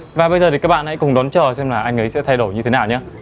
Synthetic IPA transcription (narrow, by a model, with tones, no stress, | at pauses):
vaː˨˩ɓə˧jzəː˨˩i˨˩kaː˦˥k̚ɓ̰a̰ː˧˨ha̰˧˥kʊ˨˩ŋ͡mɗɔ˨˦nt͡ɕəː˨˩sɛ˧mlaː˨˩ʔa˧jŋ̟ʔə˨˦jsɛ̰˧˥t̪ʰa˧jɗo˧˩jɲɨ˧t̪ʰe˨˦naː˨˩wɲaː˧